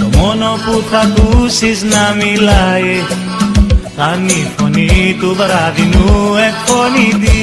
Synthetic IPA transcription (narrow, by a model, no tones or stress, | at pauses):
mɔnɔput̪ʰak̪usisnamilaje | t̪anːipʰɔnit̪ubaɾad̪inuɛk̚pɔnit̪i